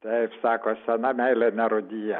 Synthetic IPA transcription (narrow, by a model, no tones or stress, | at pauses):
t̪ʲɛɪpsɑːkoːsʲɛnɐmʲɛɪlʲɛnʲɛɾʊd̪ʲiːjɛ